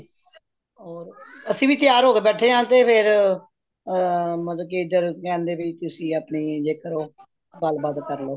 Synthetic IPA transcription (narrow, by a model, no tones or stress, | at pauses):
ɔːɾəsĩːbiːt̪ɪjaːɾɦoːkeːbɛːʈʰeːãːt̪eːpʰɪɾ | mət̪ləbkiːɪd̪əɾkɛ̃ːnd̪eːbiːt̪ʊsĩːapniːd͡ʒeːkəɾoː | ɡəlbaːd̪kəɾloː